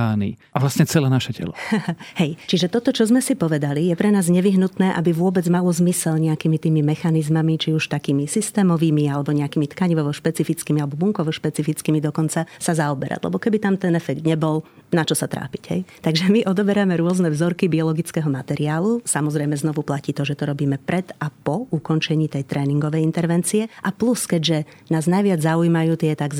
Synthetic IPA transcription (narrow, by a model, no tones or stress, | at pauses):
aːnḭʔaʋlasɲɛt͡sɛlɛːnaʃɛcɛ̰lɔ̰hɛjt͡ʃiʒɛt̪ɔt̪ɔt͡ʃɔzmɛsipɔʋɛd̪alijɛpɾɛnaːzɲɛʋiɦnut̪nɛːʔabiʋʊɔbɛd͡zmalɔzmisɛlɲɛakimit̪iːmimɛxanizmamit͡ʃiuʃt̪akiːmisist̪ɛːmɔʋiːmialɛbɔɲɛakiːmit̪kaɲiʋɔʋɔʃpɛt͡sifit͡skiːmialɛbɔbuŋkɔʋɔʃpɛt͡sifit͡skiːmid̪ɔkɔnt͡sasazaɔbɛɾa̰d̪lɛ̰bɔkɛbit̪amt̪ɛnɛfɛɡd̪ɲɛbɔl | nat͡ʃɔsat̪ɾa̰ːpi̥ɟɦɛ̰jt̪aɡʒɛmiʔɔd̪ɔbɛɾamɛɾʊɔznɛvzɔɾkibiɔlɔɡit͡skɛɦɔmat̪ɛɾiaːlusamɔzɾɛjmɛznɔʋuplaciːt̪ɔʒɛt̪ɔɾɔbiːmɛpɾʔɛd̪apɔukɔnt͡ʃɛɲiːt̪ɛjt̪ɾɛːniŋɡɔʋɛjint̪ɛɾʋɛnt͡siɛʔapluskɛɟʒɛ | naːznajʋɪad͡zzaujmajuːt̪ɪɛt̪aɡz